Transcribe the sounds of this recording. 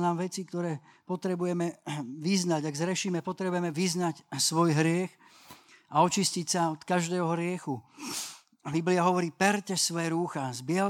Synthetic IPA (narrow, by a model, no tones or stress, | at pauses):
naːmʋɛt͡sikt̪ɔɾɛː | pɔt̪ɾɛbujɛmɛʋiznaɟaɡzɾɛʃiːmɛpɔt̪ɾɛbujɛmɛʋiznacsʋɔjɦɾɪɛx | aɔt͡ʃiscicsaɔt̪kaʒd̪ɛːɦɔɾɪɛxu | bibliaɦɔʋɔɾiːpɛɾcɛsʋɔjɛɾuːxazbɪɛ